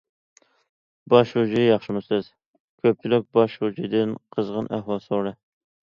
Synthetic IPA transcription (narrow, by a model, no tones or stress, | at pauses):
bɑʃhud͡ʒijɑχʃɪmʊsɨz̥ | kʲʰøp̚t͡ʃʰilyk̚ʲbɑʃhud͡ʒid̪ɪnqʰəzʁənʔæhwɑlˠsoɾɨ